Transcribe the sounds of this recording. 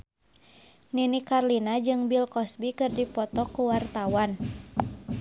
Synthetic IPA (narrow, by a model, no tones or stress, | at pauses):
ninikarlinad͡ʒɨŋbilkɔsbikɨrdipɔt̪ɔkuwart̪awan